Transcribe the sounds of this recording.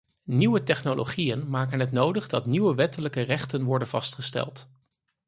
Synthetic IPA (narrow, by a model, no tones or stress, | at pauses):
niʋətɛχnolʔo̰χijənmaːkənɦətnowdəχdɑtniʋəʋɛtələkərɛχtənʋɔɹdənvɑstχəstɛ̰lˠt